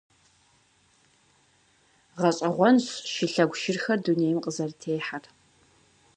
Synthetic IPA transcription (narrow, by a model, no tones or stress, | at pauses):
ʁɐɕʼɐʁʷɔnɕʃɪɬɐɡʷʃɪrxɐrduneːjmqʼəzɐrtʰeːħar